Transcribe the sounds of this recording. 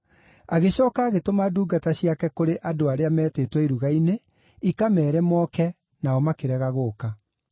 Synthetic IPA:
aɣeɕɔːkaːɣetomaduːɡataɕjakɛkoɾeʔadoaɾeamɛːteːtwɛiɾuɣaine | ikamɛːɾɛmɔːkɛ | naɔmakeɾɛɣaɣoːka

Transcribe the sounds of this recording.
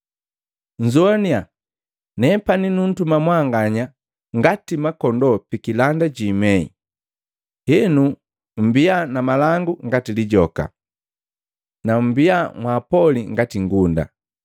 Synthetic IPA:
ɲ̩d͡ʒuania | nɛpaninun̩tumamwaŋɡaɲa | ŋɡatimakɔndɔpikilandaɟimɛḭ | hɛnu | m̩bianamalaŋɡuŋɡatiliɟɔka̰ | nam̩biamwaːpɔliŋɡatiŋɡunda̰

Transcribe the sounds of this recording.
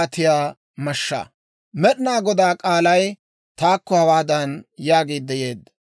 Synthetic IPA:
t̪ɪjaː | mɐʃːa̰ | mɛɗɪnaːɡɔd̪aːkʼaːlɐj | t̪aːkːɔhɐwaːd̪ɐnjaːɡeːd̪ːɛjeːd̪ːɐ̥

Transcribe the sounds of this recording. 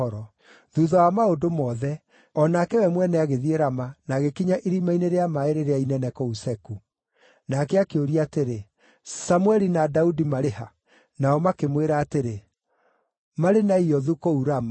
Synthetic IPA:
ɔɾɔ | ðuðɔwamaodomɔːðɛ | ɔnakɛwɛmwɛnɛaɣeðieɾamanaɣekiɲaʔiɾimaineɾeamaeɾeɾeainɛnɛkɔusɛku | nakɛakeoɾiateɾe | samwɛɾinadaudimaɾeha | naɔmakemweɾaːteɾe | maɾenaiɔðukouɾama

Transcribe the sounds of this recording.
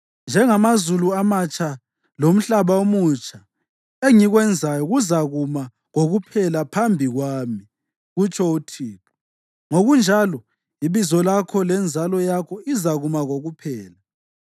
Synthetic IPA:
nd͡ʒʱɛŋamazuluamat͡ʃʼʰa | lom̩ɬaβaomut͡ʃʼʰa | eŋiɣwɛnd͡zʱajɔɣuzaɣuma | ŋoɣupʰɛlapʰambʱiɣwaːmi | ɣut͡ʃʼʰɔutʰiːp̚ʰu̥ | ŋoɣund͡ʒʱalɔ | iβizɔlakʰɔlɛnd͡zʱalɔjakʰɔizaɣumaɣoɣupʰɛːla

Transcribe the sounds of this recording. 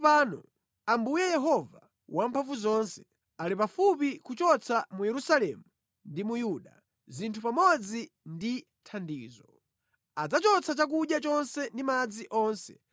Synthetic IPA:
paːnɔ | ambujɛjɛɦɔva | wampʰaɱvuzɔnsɛ̥ | alipafupikut͡ʃɔt͡sʰamujɛɾusalɛmu | ndimujuɗa | zintʰupamɔd͡zi | ndi | tʰandiːzɔ | ad͡zat͡ʃɔt͡sʰat͡ʃak̬uɗjat͡ʃɔnsɛndimad͡ziʔɔːnsɛ̥

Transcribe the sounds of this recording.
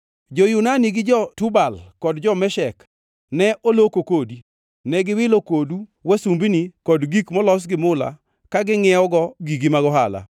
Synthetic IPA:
d͡ʒɔjʊnaniɡɪd͡ʒɔtubalkɔdd͡ʒɔmɛʃɛk | nɛʔolokokodi | nɛɡɪwɪlokoduwasumbinikɔdɡikmɔlɔs̬ɡɪmʊla̰ | kaɡɪŋɛɔɡɔɡiɡimaɡɔɦala̰

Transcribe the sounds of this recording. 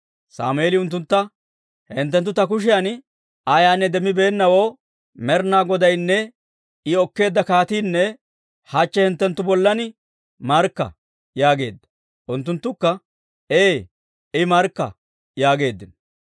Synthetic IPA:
sa̰ːmʊeːlɪʊnt̪̬ːʊnt̪ːɐ | hɛnt̪̬ːɛnt̪ːʊt̪ɐk̬ʊʃ̬ɪjan | ajaːnːɛd̪ɛmːɪbe̞ːnːɐwoː | mɛɾnaːɡɔd̪ɐjnːɛ | ɪɔkːe̞ːd̪ːɐkaːt̪iːnːɛ | hat͡ʃːɛhɛnt̪ːɛnt̪ːʊbɔlːɐnɪ | mɐɾkːɐ̰ | jaːɡe̞̰ːd̪ːɐ̥ | ʔʊnt̪ːʊnt̪ːʊkːɐ | eː | ɪmɐɾkːɐ̰ | jaːɡe̞ːd̪ːɪnɔ

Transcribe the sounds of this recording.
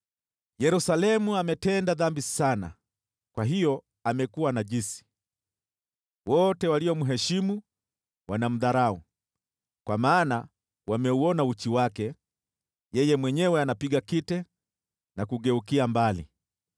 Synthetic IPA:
jɛɾusalɛmuamɛtɛndaðambisana̰ | kwaɦijɔ | amɛkuwanaʄisi̥ | wɔtɛwaliɔmuɦɛʃimu | wanam̩ðaɾau | kwamaːna | wamɛuɔnaut͡ʃiwakɛ | jɛjɛmwɛɲɛwɛanapiɡakitɛ | nakuɠɛukiambalḭ

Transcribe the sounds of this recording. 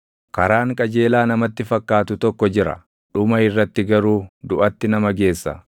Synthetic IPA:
kɐɾaːŋkʼɐd͡ʒe̞ːlaːnɐmɐt̪ːɪfɐkːaːt̪ʊt̪ɔkːɔd͡ʒɪɾɐ̰ | ᶑʊmɐɪrːɐt̪ːɪɡɐɾuːd̪ʊʔɐt̪ːɪnɐmɐɡe̞ːsːɐ̰

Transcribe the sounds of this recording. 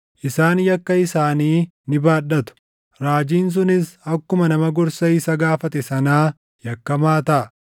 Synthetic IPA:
ʔɪsaːnjɐkːɐɪsaːniːnɪbaːᶑɐt̪ʊ̥ | ɾaːd͡ʒiːns̬ʊnɪsɐkːʊmɐnɐmɐɡɔɾsɐɪsɐɡaːfɐt̪ɛsɐnaː | jɐkːɐmaːt̪ɐʔɐ

